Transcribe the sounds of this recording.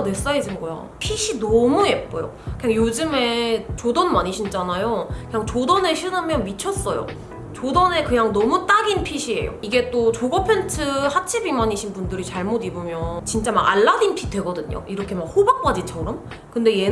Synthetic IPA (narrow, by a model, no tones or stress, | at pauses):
nwe̞s͈aed͡ʑinɡʌja̰ | pʰiɕʰinʌmuep̚p͈ojo̰kkɯɲaŋjod͡ʑɯme̞t͡ɕodʌnmaɲiɕʰind͡ʑanajokɯɲaŋt͡ɕodʌneɕʰinɯmjʌnmit͡ɕʰʌs͈ʌjo̰ | t͡ɕodʌne̞kɯɲaŋnʌmut͈aɡinpʰiɕʰie̞̰jo̰iɡe̞t͈ot͡ɕoɡʌpʰe̞ntʰɯhat͡ɕʰibimaɲiɕʰinbundɯɾit͡ɕaɭmodibomjʌt͡ɕint͡ɕ͈ama̰ɡa̰ɭːadinpʰidwe̞ɡʌdɯɲo̰iɾʌkʰe̞mak̚hobak̚k͈ad͡ʑit͡ɕʰʌɾʌm | kɯnde̞je̞